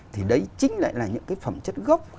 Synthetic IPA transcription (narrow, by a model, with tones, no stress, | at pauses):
t̪ʰi˨˩ɗə˨˦jt͡ɕï˨˦ŋ̟la̰ː˧˨jlaː˨˩ɲɨ̰˧˥ŋkaː˨˦jfə˨˩mt͡ɕə˦˥t̚ɣɔ˦˥wk͡p̚